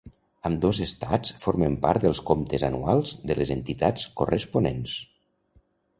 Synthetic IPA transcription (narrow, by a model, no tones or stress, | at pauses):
əmd̪ozəst̪a̰t͡sfoɾməmpa̰ɾt̪̚d̪əlˠskomt̪əzanualˠzðələzənt̪it̪at͡skorʔəspunens